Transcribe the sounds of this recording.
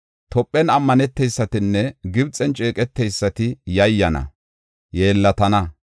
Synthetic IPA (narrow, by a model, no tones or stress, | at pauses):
t̪ɔpʼːɛnɐmːɐnɛt̪ːɛjsːɐt̪ɪnːɛɡɪbt͡sʼːɛnt͡ʃʼe̞ːkʼɛt̪ːɛjsːɐt̪ɪjɐjːɐnɐ̰ | je̞ːlːɐt̪ɐnɐ